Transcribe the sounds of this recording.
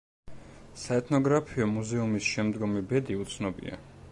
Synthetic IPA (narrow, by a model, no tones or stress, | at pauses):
saɛt̪ʰnɔɡɾapʰiɔmuzɛumisʃɛmd̪ɡɔmibɛd̪iut̪sʰnɔbḭa̰